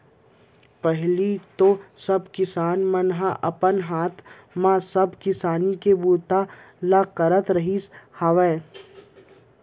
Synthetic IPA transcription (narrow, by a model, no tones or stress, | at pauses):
pəɦlit̪osɐbkɪsaːnmənɦaʔɐpənɦaːt̪ʰ | mãsəbkɪsaːnikebuːt̪a | laqəɾət̪ɾəɦishaʋɛ̃ː